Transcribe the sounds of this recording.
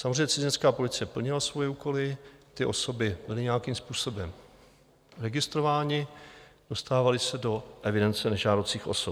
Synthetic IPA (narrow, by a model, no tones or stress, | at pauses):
samozriejɲːɛt͡sɪzɪɲnskaːpo̞lɪt͡sɪjɛpl̩ɲɪlasvojɛuːko̞lɪt̪ɪʔo̞so̞bɪbɪlɪɲɛjakimspuːso̞bɛm | ɾɛɡɪst̪ɾo̞vaːɲɪd̥o̞st̪aːvalɪsɛdo̞ʔɛvɪdɛnt͡sɛnɛʒaːdot͡siːxʔo̞̰sop